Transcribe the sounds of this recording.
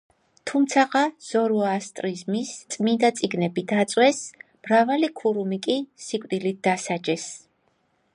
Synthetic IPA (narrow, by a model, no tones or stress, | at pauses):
t̪ʰumt̪sʰaʁaz̥ɔɾuast̪ʼɾizmist̪sʼmind̪at̪sʼiɡnɛbid̪ʰat̪sʼwɛs | mɾavalikʰuɾumikʼisikʷʼd̪ilit̪̚d̪asad͡ʒɛs